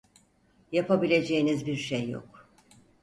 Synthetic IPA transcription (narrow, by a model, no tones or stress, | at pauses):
japʰabilʲe̞d͡ʒe̞jinizbiɾʃejːo̰k